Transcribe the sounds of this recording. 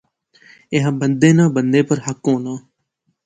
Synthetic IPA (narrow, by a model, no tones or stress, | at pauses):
ɪɦãːbənd̪eːnãːbənd̪eːpəɾɦəkːõːnãː